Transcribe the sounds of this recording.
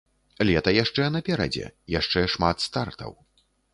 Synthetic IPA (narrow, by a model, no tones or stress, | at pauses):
lʲɛt̪ɐjaʂt͡ʂɛnɐpʲɛɾɐ̰d͡zʲɛ̰jaʂt͡ʂɛʂmat̪st̪art̪ʰɐ̰w